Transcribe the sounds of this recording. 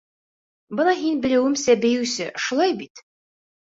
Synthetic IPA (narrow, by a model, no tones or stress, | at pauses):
bɤnɑɦinbɘ̆lɘ̆wɘmsæbɘ̆jɘ̆wsɘʃulˠɑjbit̪